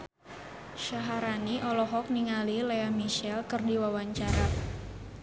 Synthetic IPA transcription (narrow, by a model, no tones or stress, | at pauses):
ʃaɦaɾaniʔɔlɔɦɔk̚niŋalileamiʃɛlkɨrdiwawaɲt͡ʃaɾa